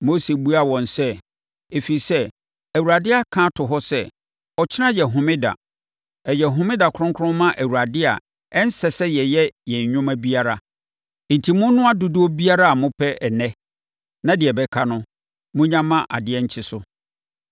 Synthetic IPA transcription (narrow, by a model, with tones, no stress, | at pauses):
mo˦se˨bu˦a˨wɔ̃˨nsɛ˦ | e˨fi˨sɛ˦ | æ˨wu˨ɾa˨dɪ˦a˨kʰã˦tʰʊ˨ɦɔ˦sɛ˦ | ɔ˨t͡ɕʰɪ˦nã˦jɛ˨ɦʊ̃˨mɪ̃˦da̰˨ | ɛ˨jɛ˨ɦʊ̃˨mɪ̃˦da˨kʰʊ˦ʊ̃˦ŋkʰʊ̃˦m˦mã˦ʔæ˨wu˨ɾa˨dɪ˦a̰˨ | ɛ˦n̩˦sɛ˨sɛ˦jɛ˨jɛ˦jɛ̃˨ɲ˨ɲʊ̃˦mæ˦bi˦a˦ɾa˨ | n̩˨tʰi˨mʊ̃˦nʊ̃˦a˦dʊ˨du˦ɔ˦bi˦a˦ɾa˦a˨mʊ̃˦pʰɛ˦ʔɛ˨nɛ̃˦ | nã˦dɪ˨ɛ˨bɛ˦kʰa˦nʊ̃˦ | mʊ̃˦ɲã˦mã˦ʔa˨dɪ˦ɛ˦ɲ̩˦t͡ɕʰɪ˦sʊ˨